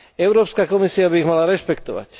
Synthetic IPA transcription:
ɛʊɾɔːpskakɔmisiabiːɣmalaɾɛʃpɛkt̪ɔʋa̰c

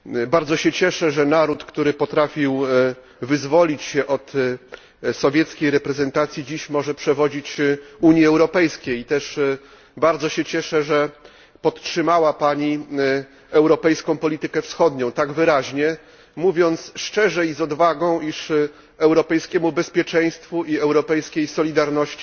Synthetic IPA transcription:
baɾd̪zɔɕɛt͡ɕɛʂɛʐɛnaɾut̪kt̪uɾɘpɔt̪ɾafʲiw | vɘzvɔlʲit͡ɕɕɛʔɔt̪ | sɔvʲjɛt̪skʲejɾɛpɾɛzɛnt̪at̪sʲjid͡ʑiɕmɔʐɛpʂɛvɔd͡ʑit͡ɕuɲjiɛwɾɔpɛjskʲejit̪ɛʂ | baɾd̪zɔɕɛt͡ɕɛʂɛʐɛ | pɔt̪tʂɘmawapaɲi | ɛwɾɔpɛjskɔ̃w̃pɔlʲit̪ɘkɛfsxɔd̪ɲɔ̃w̃t̪aɡvɘɾaʑɲɛ | muvʲjɔnt̪sʂt͡ʂɛʐɛizɔd̪vaɡɔ̃w̃ʔiʂ | ɛwɾɔpɛjskʲɛmubɛspʲjɛt͡ʂɛj̃st̪fuʔiɛwɾɔpɛjskʲejsɔlʲid̪aɾnɔɕt͡ɕi

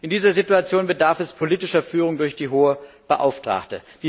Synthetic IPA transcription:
ʔɪndiːzɐzituat͡sjoːnbədaɐfɛspʰoliːtɪʃɐfyːʁ̞ʊŋdʊɐçd̥iːɦoːəb̥əʔa̰ʊftʁ̥a̰ːktə̰d̥iː

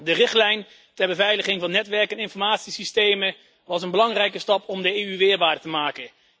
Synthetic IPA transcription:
dərɪχtlɛjn | tɛɹbəvɛjləχɪŋvɑnːɛtʋɛɹkɛnɪnfɔɹmaːtsisistejmə | ʋɑsənbəlɑŋrɛjkəstɑpɔmdəeːyʋɪːɹbaːdətəmaːkən

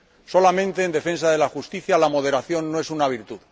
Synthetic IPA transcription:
so̞lamẽ̞nt̪e̞ːnd̪e̞fẽ̞nsaðe̞laxust̪iθjalamo̞ðe̞ɾaθjo̞nːoe̞sunaβ̞iɾt̪uð

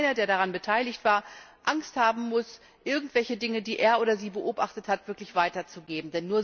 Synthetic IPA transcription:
nɐdeːɐɾaʁanbətʰaɪlɪçtv̥aːɐʔaŋsthaːbm̩mʊs | ʔɪɐɡŋ̩tv̥ɛlçədɪŋədiːʔeːɐʔoːɾɐziːbəʔoːpʔa̰χtəthatv̥ɪɐklɪçv̥aɪtɐt͡suɡeːbm̩dɛnːuːɐ

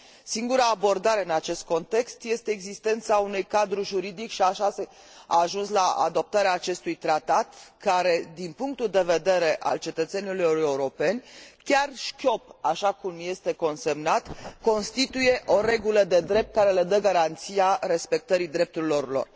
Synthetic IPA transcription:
siŋɡuɾaːbo̞rd̪aɾe̞ɨnat͡ʃe̞st̪̚ko̞nt̪e̞kst̪je̞st̪e̞ːɡzist̪e̞nt̪saunujkad̪ɾuʒuɾid̪ikʃiaʃase | a̰ːʒunslaa̰d̪o̞p̚t̪aɾeaːt͡ʃe̞st̪ujt̪ɾat̪at̪kaɾe̞d̪inpuŋk̚t̪uld̪e̞ve̞d̪e̞ɾe̞ʔa̰lt͡ʃe̞t̪ət̪se̞nilujejeuɾo̞pe̞nʲkʲarʃkʲo̞paʃakumje̞st̪e̞ko̞nse̞mnat̪ko̞nst̪it̪uje̞ʔo̞ɾe̞ɡuləd̪e̞d̪ɾe̞p̚t̪̚kaɾe̞led̪əɡaɾant̪siaɾe̞spe̞k̚t̪əɾid̪ɾe̞p̚t̪uɾilo̞rlo̞̰r

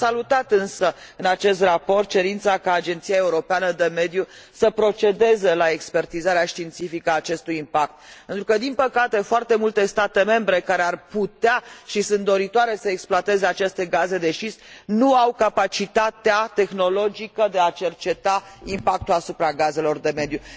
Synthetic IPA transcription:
salut̪at̪ɨnsəɨnat͡ʃe̞st̪rapo̞rt̪̚t͡ʃe̞ɾint̪sakaːd͡ʒe̞nt̪sijae̞uɾo̞peanəd̪e̞me̞d̪ju | səpɾo̞t͡ʃe̞d̪e̞ze̞lae̞kspe̞rt̪izaɾeaʃt̪int̪sifikəaːt͡ʃe̞st̪ujimpak̚t̪̚pent̪ɾukəd̪inpəkat̪e̞foart̪e̞mult̪e̞st̪at̪e̞me̞mbɾe̞kaɾearput̪eaʃisunt̪d̪o̞ɾit̪oaɾe̞səeksploat̪e̞zeat͡ʃe̞st̪e̞ɡaze̞d̪e̞ʃisnuawkapat͡ʃit̪at̪eat̪e̞xno̞lo̞d͡ʒikəd̪e̞at͡ʃe̞rt͡ʃe̞t̪aimpak̚t̪ulasupɾaɡaze̞lo̞rd̪e̞me̞d̪ju

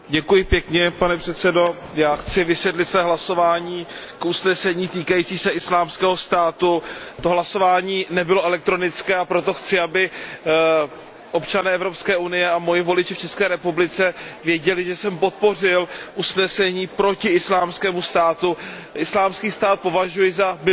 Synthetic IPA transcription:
ɟɛkujɪpjɛkɲɛpanɛpr̥ɛt̪t͡sɛdo̞jaːxt͡sɪvɪsvjɛt̪lɪt̪svɛːɦlaso̞vaːɲiːkʔusnɛsɛɲiːt̪iːkajit͡siːsɛʔɪslaːmskɛːɦost̪aːt̪ut̪oɦlaso̞vaːɲiːnɛbɪloʔɛlɛk̚t̪ɾo̞nɪt͡skɛːapɾo̞t̪o̞xt͡sɪabɪ | ʔo̞pt͡ʃanɛːɛvɾo̞pskɛːʔunɪjɛamo̞jɪvo̞lɪt͡ʃɪft͡ʃɛskɛːɾɛpublɪt͡sɛvjɛɟɛlɪʒɛsɛmpot̪̚po̞r̝ɪlʔusnɛsɛɲiːpɾo̞cɪɪslaːmskɛːmust̪aːt̪uʔɪslaːmskiːst̪aːt̪̚po̞vaʒujɪzam

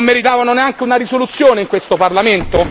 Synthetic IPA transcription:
mːeɾit̪aːvanoneaŋk̟eunaɾisolut̪sːjoːneiŋkwest̪oparlament̪o

